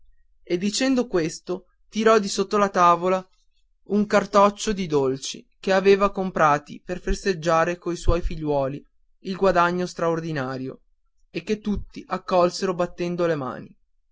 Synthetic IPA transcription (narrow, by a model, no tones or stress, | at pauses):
ed̪ːit͡ʃɛnd̪okwest̪o | t̪iɾɔd̪isot̪ːolat̪aːvola | uŋkart̪ɔt͡ʃːod̪id̪olt͡ʃḭkeaveːvakompɾaːt̪ḭperferst̪ed͡ʒːaːɾekoiswɔjfiʎːwɔːliː | lɡwad̪aɲːost̪ɾaord̪inaːɾjo̰ | ekːet̪ːut̪ːiʔakːɔlseɾobat̪ːɛnd̪olema̰ːni